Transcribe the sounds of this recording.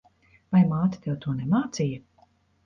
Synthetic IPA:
vajmaːt̪ʲi̥t̪ɛwt̪uɔnɛmaːt̪sijɐ

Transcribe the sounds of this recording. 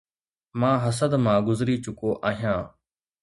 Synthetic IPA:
mãːɦəsəd̪mãːɡʊzɾiːt͡ʃʊkoːʔaːɦijãː

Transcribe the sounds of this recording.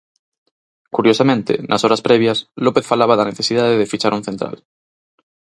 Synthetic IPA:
kuɾjosamẽnt̪ḛnʔasoɾaspɾeβ̞jaslopeθfalaβaðaneθesið̞aðeðefit͡ʃaɾuŋ̟θent̪ɾa̰l

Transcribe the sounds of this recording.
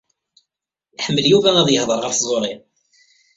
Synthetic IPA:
ħəmːəljuvææðjəhðˤəɾˤʁəɾθzˤoɾˤi

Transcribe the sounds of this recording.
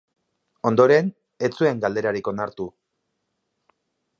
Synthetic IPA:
o̞nd̪o̞ɾe̞n | e̞t͡sue̞ŋɡald̪e̞ɾaɾiko̞naɾt̪u

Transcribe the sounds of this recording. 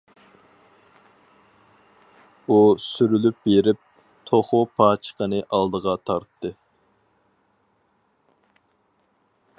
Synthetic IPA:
usyɾylyp̚beɾɪp̚ | t̪ʰoχʊpʰɑːt͡ʃʰə̥qənɨʔɑlˠd̪əʁɑt̪ʰɑɾt̪ʰːɨ

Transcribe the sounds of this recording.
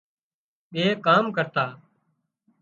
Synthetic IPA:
ɓeːkaːmkəɾt̪aː

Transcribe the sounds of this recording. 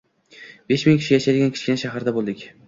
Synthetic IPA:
b̥e̞ʃmɪŋkʲʰɪ̥ʃɪjaʃad̪ɪɡʲankʲʰɪ̥t͡ʃʲkʲɪnaʃaɦaɾd̪abolˠd̪ɪkʲ

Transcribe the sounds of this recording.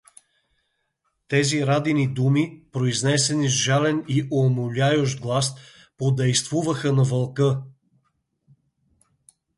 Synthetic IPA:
t̪ɛziɾad̪inid̪umipɾoiznɛsɛnizʒalɛniʔomʊlʲajoʃd̪̚ɡlˠas | pod̪ɛjst̪vuvəxənɐvɐlˠkə

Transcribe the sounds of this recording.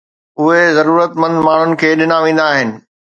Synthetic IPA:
ʊɦezɐɾuːɾət̪mɐ̃nd̪maːɳ̤ʊnɪ̆kʰeːɗɪnaʋẽːnd̪aːɦɪnɪ̆

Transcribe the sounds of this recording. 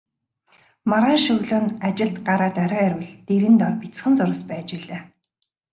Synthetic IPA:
maɾaːʃɵɣɮoːnat͡ɕɪ̆ɬt̪ɢaɾaːt̪œɾʲœːæɾʲwɘ̆ɮt̪eɾɘ̆nt̪ɔrpit͡sχɘ̆nt͡sʊɾə̆spæːt͡ɕiɮeː

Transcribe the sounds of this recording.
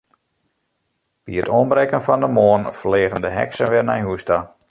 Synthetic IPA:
b̥iətoənbrɛkənfɔndəmoːnfleːɣəndəɦɛ̰ksənʋɪrna̰jɦuəsta

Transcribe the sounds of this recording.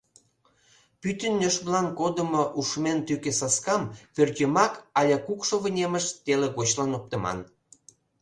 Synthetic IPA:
pyt̪ənːʲøʃblɑnkod̪ə̆moʔuʃment̪ykesɑskɑmpørt̪ʲømɑkɑlʲɑkukʃoβə̆nʲemə̆ʃt̪eleɣot͡ɕlɑnop̚t̪ə̆mɑ̰n

